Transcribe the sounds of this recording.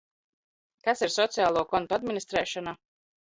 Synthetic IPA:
kasiɾsɔt̪sijaːlˠuːkɔnt̪uad̪minist̪ɾɛːʃɔna

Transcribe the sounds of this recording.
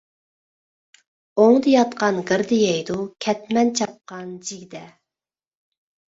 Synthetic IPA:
oŋd̪ɨjɑt̪qɑnʁəɾd̪ɪjɛjd̪ukʲʰɛt̪mɛnt͡ʃʰɑp̚qɑnd͡ʒiɡʲd̪ɛ

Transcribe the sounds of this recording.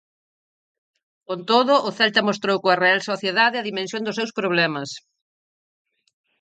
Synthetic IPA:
kont̪oðʊʔʊθɛlt̪ɐmost̪ɾowkoɐrealsoθjeðaðɪɐðimẽnsjõŋd̪ʊsewspɾoβlɛmɐs

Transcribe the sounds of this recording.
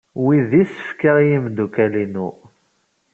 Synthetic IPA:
wiðisə̥fkəʁjimd̪ukælinṵ

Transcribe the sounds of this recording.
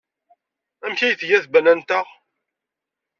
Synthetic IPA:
æmçæjθjæθbænænt̪əʁ

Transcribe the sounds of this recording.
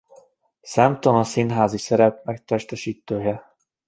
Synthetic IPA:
samt̪omɒsinɦaːzisɛɾɛp̚mɛk̚t̪ɛʃt̪ɛʃiːt̪ːøːjɛ

